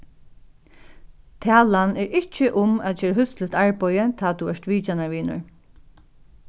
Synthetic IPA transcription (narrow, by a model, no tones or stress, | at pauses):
t̪ʰæːlanɛɹɪht͡ʃːəʔʊmæðt͡ʃʰɛːɾɦʏst̪lɪt̪aɹpɔjət̪ʰaːt̪uɛʂt̪ʋiːt͡ʃanaɹʋiːnʊ̰ɹ